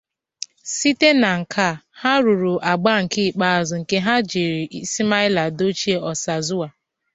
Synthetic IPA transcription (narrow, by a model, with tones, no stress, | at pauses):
si˦te˦na˨ŋ̩˨kʰa˦˨ha˦ɾu˨ɾu˨ʔa˨ɡ͡ba˦ŋ̩˨kɪ˦˨k͡pa˦a˨zʊ˨ŋ̩˨ke˦ɦa˦d͡ʒi˨ɾi˨˦si˦ma˦ɪ˦la˨do˦t͡ʃi˦e˦ɔ˨sa˨zʊ˦a˨